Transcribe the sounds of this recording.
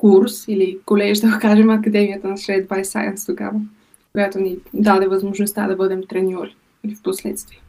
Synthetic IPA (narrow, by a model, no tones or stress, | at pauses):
kuɾsilikolɛʃd̪ɐɡokaʒɛmɐkɐd̪ɛmiət̪ənɐsɾɛd̪bajsa̰jə̰nst̪oɡa̰və | kojat̪onid̪ad̪ɛvɐzmoʒnost̪a̰d̪ɐbɤd̪ɛmt̪ɾɛniɔɾi | ilifposlɛ̰t̪st̪viɛ